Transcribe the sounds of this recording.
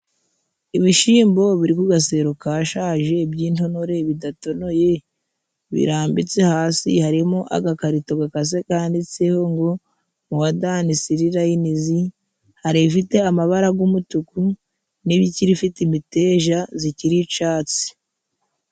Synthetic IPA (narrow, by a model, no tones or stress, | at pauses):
iβiʃiːmbo̞βiɾikuɡas̬e̞ːɾokaʃaːʒe̞bɟiːnto̞no̞ɾe̞βidato̞no̞je̞ | βḭɾaːmbit͡se̞haːsḭhaɾimoʔa̰ɡakaɾito̞ɡakas̬e̞kaːndit͡seho̞ŋɡo̞ | muβadaːnisiɾiɾajinizi | haɾiβfite̞amaβaɾaɡumutuku | niβiciɾifitimite̞ʒaziciɾit͡ʃaːt͡si̥